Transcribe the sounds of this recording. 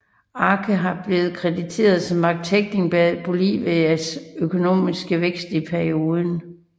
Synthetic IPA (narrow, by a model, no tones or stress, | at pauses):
ɑ̈kʰəɦɑ̈b̥le̝ːð̞̩ˠkʰʁɛd̥it͡sʰe̝̰ːɐð̞ˠsɒ̽mːɑ̈ɡ̥̚t͡sʰeɡ̥ne̝ŋb̥ɛb̥o̝lḭʋeæsøkʰo̝no̝̰ːmisɡ̥əʋeɡ̥sd̥ipʰæɐio̝ːðˠən